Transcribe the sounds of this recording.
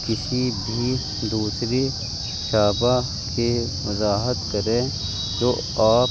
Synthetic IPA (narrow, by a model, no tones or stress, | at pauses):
kɪsibʱi | d̪uːsɾi | ʃaːba | ke | ʋɐzaːɦət̪kɐɾẽ | d͡ʒoː | aː